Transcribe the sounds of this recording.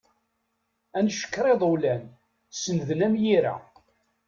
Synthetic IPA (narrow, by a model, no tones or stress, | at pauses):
ænʃə̥kːɾˤeðˤuwlæn | sənðənæmjiɾæ̰